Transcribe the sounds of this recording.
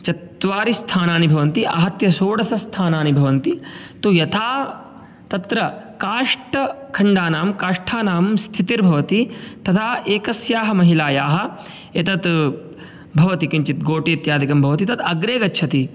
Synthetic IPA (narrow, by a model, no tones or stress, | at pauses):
t͡ʃɐt̪ʋaːɾist̪ʰaːnaːnibʱɐʋɐnt̪iʔɐɦɐt̪jɐsoːɽɐsʰɐst̪ʰaːnaːnibʱɐʋɐnt̪it̪ujɐt̪ʰaː | t̪ɐt̪ɾɐkaːʂʈɐ | kʰɐɳɖaːnaːmkaːʂʈʰaːnaːmst̪ʰit̪iɾbʱɐʋɐt̪it̪ɐt̪ʰaːʔeːkɐsjaːɦɐmɐɦilaːjaːɦɐ̆ | et̪ɐt̪ | bʱɐʋɐt̪ikiɲt͡ʃit̪̚ɡoːʈiːt̪jaːd̪ikɐmbʱɐʋɐt̪it̪ɐt̪ɐɡɾeːɡɐtːʃʰɐt̪i